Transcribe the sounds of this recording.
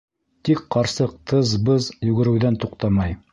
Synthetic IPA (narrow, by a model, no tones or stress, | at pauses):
t̪ikqɑɾsɤq̚t̪ʰɤzbɤzjʉɡɘ̆ɾɘ̆wðænt̪uqt̪ɑmɑj